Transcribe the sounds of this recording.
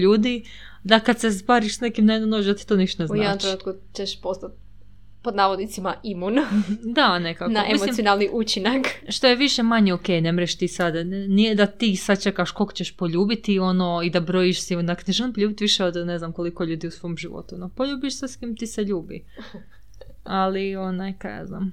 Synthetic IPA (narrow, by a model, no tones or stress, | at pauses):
ʎuːd̪i | d̪akad̪sesbaːɾiʃsnekimnanonoʒd̪at̪i̥t̪oːniʃt̪onezunjaed̪nomt̪ɾeuːt̪ku | t͡ʃeʃpost̪at̪̚ | pod̪naːʋod̪nit̪simaʔimund̪anekaknaoʔemimolimsionalˠniʔut͡ʃinakʃt̪o̞jeʋiʃemaɲeoke̞ːjnemɾeʃt̪iːsad̪nijed̪at̪isad̪̚t͡ʃe̞kaʃko̞lˠkot͡ɕeʃpo̞ʎuːbit̪io̞noid̪abɾo̞jiʃsiond̪akneʒelimpoʎuːbit̪iʋiʃeod̪neznamko̞likoʎuːd̪iusʋomʒiʋo̰t̪unopoʎuːbiʃseskiːmt̪iseʎuːbḭ | alionajkaa̰zna̰ːm